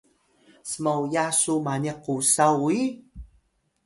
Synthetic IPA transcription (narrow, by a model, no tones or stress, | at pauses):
səmawjasumaniqusawi